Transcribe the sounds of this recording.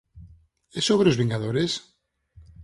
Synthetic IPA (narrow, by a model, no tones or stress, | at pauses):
esoβɾeozβĩŋɡaðoɾes